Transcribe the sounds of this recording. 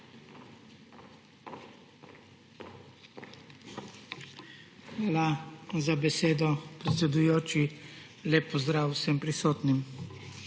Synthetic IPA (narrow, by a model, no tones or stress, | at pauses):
xʋaːlazabɛseːd̪ɔpɾɛt̪sɛd̪ujoːt͡ʃi | lɛpɔzd̪ɾaːwsɛmpɾisoːt̪nim